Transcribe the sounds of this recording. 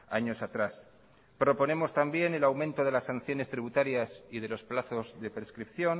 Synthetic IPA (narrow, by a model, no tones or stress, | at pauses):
a̰ɲo̞sat̪ɾas | pɾo̞po̞ne̞mo̞st̪ambje̞ne̞lawmẽ̞nt̪o̞ð̞e̞lasːan̟θjo̞ne̞st̪ɾiβut̪aɾjasið̞e̞lo̞splaθo̞zðe̞pɾe̞skɾipθjo̞n